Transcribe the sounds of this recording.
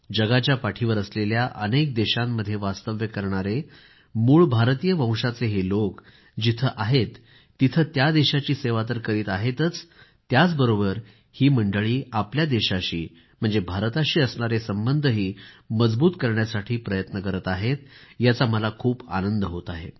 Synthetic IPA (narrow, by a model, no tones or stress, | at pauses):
d͡ʑəɡat͡ɕjapaʈʰiʋəɾəsleljaʔənek̚d̪eɕamːəd̪ʱːjeʋast̪əʋjəkəɾɳ̃aɾe | muːɭbʱaɾt̪ijəʋə̃w̃ʂat͡seɦelok | d͡ʑit̪ʰəʔaɦet̪ː | it̪ʰət̪jad̪eɕat͡ɕiːseʋat̪̬əɾkəɾiːt̪aɦet̪ət͡s | t̪jat͡sbəɾobəɾ | hiːməɳɖəɭiːapljad̪eɕaɕḭː | m̤əɳd͡zebʱaɾt̪aɕiːəsɳaɾesəmbənd̪ʱəɦiːməd͡zbuːt̪kəɾɳjasaʈʰiːpɾəjət̪nəkəɾət̪aɦet̪jat͡saməlakʰuːpa̰nənd̪əɦot̪aɦḛ